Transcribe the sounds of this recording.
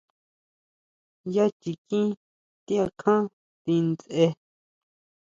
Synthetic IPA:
ja˦t͡ʃi˨kĩ˦ | t̪i˦a˧kʰã˦ | t̪ĩ˧nt͡sʔe˧

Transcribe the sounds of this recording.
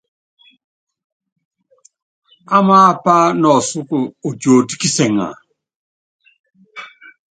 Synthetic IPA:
a˦maː˦pa˦nɔ˨su˦ku˨o˨d͡ʒo˨ti˦ki˦sɛ˨ŋa̰˨

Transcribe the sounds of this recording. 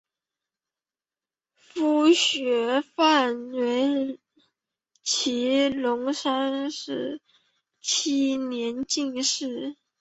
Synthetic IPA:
fu˥˩ɕɥɛ˧˥fa˥˩nwe˧˥ɪ | t͡ɕʰi˧˥lʊ˧˥ŋʂa˥nʂɻ̩˥˩ | t͡ɕʰi˥njɛ˧˥nt͡ɕi˥˧ŋʂɻ̩˥˩

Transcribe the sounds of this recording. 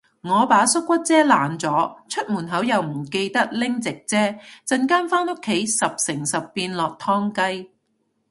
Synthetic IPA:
ŋɔː˨˧paː˨˥sʊ˥k̚ːʷɐ˥t̚t͡sɛː˥laː˨nt͡sɔː˨˥t͡ʃʰɵ˥t̚muː˨˩nɦɐ˨˥wjɐ˨wm̩˨˩ke˧jt̪ɐ˥k̚lɪ˥ŋt͡sɪ˨k̚t͡sɛː˥t͡sɐ˧nkaː˥nfaː˥no˥kʰːe˨˥jsɐ˨p̚sɪ˨˩ŋsɐ˨pːiː˧nlɔː˨k̚t̪ʰɔː˥ŋkɐ˥j

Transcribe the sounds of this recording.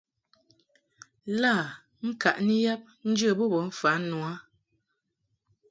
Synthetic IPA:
la˦˨ | ŋ̩˦ka̰˨ʔni˦ja˦p̚n̩˦d͡ʒə˦˨bɔ˦˨bɔ˨˦ɱ̩˦fa˨˦nwa˦

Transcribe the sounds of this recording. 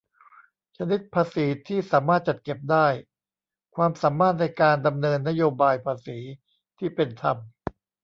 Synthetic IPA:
t͡ɕʰa˧ni˦˥t̪̚pʰaː˧siː˩˦t̪ʰiː˥˩saː˩˦maː˥˩t̪̚t͡ɕa˨˩t̪̚ke˨˩p̚daː˥˩j | kʰwaː˧msaː˩˦mːaː˥˩t̪̚na˧jkaː˧nda˧mnɤː˧nːa˦˥joː˧baː˧jpʰaː˧siː˩˦ | t̪ʰiː˥˩pe˧nt̪ʰa˧m

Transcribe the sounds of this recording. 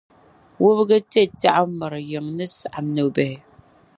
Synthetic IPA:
wo˦bɣə˦te˦˨ta˦ʔa˦mə˨ɾjə˨ŋnɨ˦sa˨ʔa˨nə˨bɛ˨hɪ˨

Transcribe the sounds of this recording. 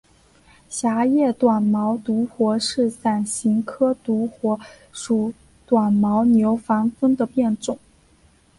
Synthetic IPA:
ɕja˧˥jɛ˥˩t̪wa˨˩nmɑ˧˥ʊt̪u˧˥xwɔ˧˥ʂɻ̩˥˩sa˨˩nɕi˧˥ŋkʰɤ˥t̪u˧˥xwɔ˧˥ | ʂu˨˩ | t̪wa˨˩nmɑ˧˥ʊnjo˧˥ʊfɑ˧˥nfə˥ŋd̪ə˨pjɛ˥˧nʈ͡ʂʊ˨˩˦ŋ

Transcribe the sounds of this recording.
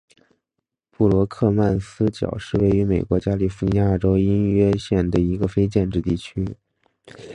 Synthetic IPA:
pu˥˩lwɔ˧˥kʰɤ˥˧ma˥˩nsɹ̩˥t͡ɕjɑ̰˨˩ʊʂɻ̩˥˧we˥˩ɪy˧˥me˨˩ɪkwɔ˧˥t͡ɕja˥li˥˩fu˧ni˧˥ja˥˩ʈ͡ʂo˥ʊi˥nɥɛ˥ɕjɛ˥˩nd̪ə˩i˧˥ɡə˧fe˥ɪt͡ɕjɛ˥˧nʈ͡ʂɻ̩˥˧t̪i˥˩t͡ɕʰy˥

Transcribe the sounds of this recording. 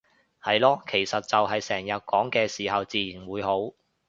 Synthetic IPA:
hɐ˨jlɔː˧kʰe˨˩jsɐ˨t̚t͡sɐ˨wɦɐ˨jsɛː˨˩ŋjɐ˨t̚kɔː˨˥ŋkɛː˧siː˨˩hɐ˨wt͡siː˨jiː˨˩nwuː˨˧jɦo˨˥w

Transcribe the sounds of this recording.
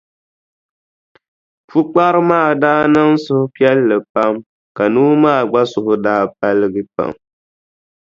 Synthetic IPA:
fu˦k͡pa˦ɾɨ˦maː˦˨daː˦nɨ˦ŋsʊ˦hʊ˦pi˦ɛ˦lːɨ˨pa˦m | ka˨nuː˦maː˦˨ɡ͡ba˦sʊ˨hʊ˦daː˦p̚a˦lɨ˦ɡɨ˦pa̰˨m

